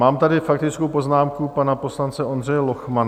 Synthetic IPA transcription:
aːmt̪adɪfak̚t̪ɪt͡skowpo̞znaːmkupanapo̞slant͡sɛʔo̞ndr̝ɛjɛlo̞xman

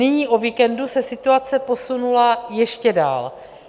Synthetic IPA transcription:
nɪɲiːʔoviːkɛndusɛsɪt̪uat͡sɛpo̞sunulajɛʃcɛda̰ːl

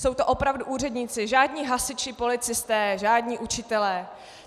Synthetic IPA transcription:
so̞wt̪oʔo̞pɾavduʔuːr̝ɛdɲiːt͡sɪʒaːdɲiːɦasɪt͡ʃɪpo̞lɪt͡sɪst̪ɛːʒaːdɲiːʔut͡ʃɪt̪ɛlɛː

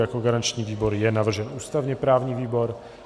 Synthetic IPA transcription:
jakoɡaɾant͡ʃɲiːviːbo̞ɾjɛnavr̩ʒɛnuːst̪avɲɛpɾaːvɲiːviːbo̞ɾ

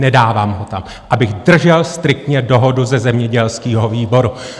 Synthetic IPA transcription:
nɛdaːvaːmɦo̞t̪am | ʔabɪɣdr̩ʒɛlst̪ɾɪk̚t̪ɲɛdo̞ɦo̞duzɛzɛmɲɛɟɛlskiːɦo̞viːbo̞ɾu

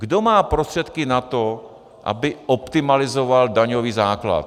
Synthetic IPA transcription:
ɡdomaːpɾost̪r̥ɛt̪kɪnat̪o | ʔa̰bɪʔopt̪ɪmalɪzovaldaɲoviːzaːkla̰t̪

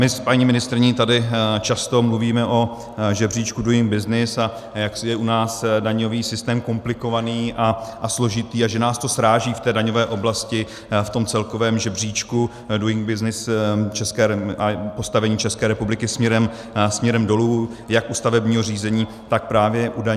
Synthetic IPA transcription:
mɪpaɲiːmɪnɪst̪ɾɪɲit̪adɪt͡ʃast̪o̞mluviːmɛʔo̞ | ʒɛbr̝iːt͡ʃkudujɪŋɡ̚bɪznɪsa | jaksjɛʔunaːsdaɲo̞viːsɪst̪ɛːmko̞mplɪko̞vaniːʔaʔaslo̞ʒɪt̪iːaʒɛnaːst̪osɾaːʒiːft̪ɛːdaɲo̞vɛːʔo̞blascɪ | ft̪o̞mt͡sɛlko̞vɛːmʒɛbr̝iːt͡ʃku | dujɪŋɡ̚bɪznɪst͡ʃɛskɛːɾɛapo̞st̪avɛɲiːt͡ʃɛskɛːɾɛpublɪkɪsmɲɛɾɛm | smɲɛɾɛmdo̞luːjakʔust̪avɛbɲiːɦo̞riːzɛɲiː | t̪ak̚pɾaːvjɛʔudaɲ

